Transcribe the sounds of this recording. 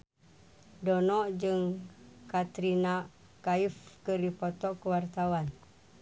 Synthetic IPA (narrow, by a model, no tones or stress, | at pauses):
donɔʔd͡ʒəŋkat̪ɾina | kaifkəɾipot̪ɔʔkəwart̪awan